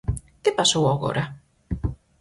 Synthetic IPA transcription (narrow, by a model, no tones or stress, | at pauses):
kepasowaɣo̰ɾa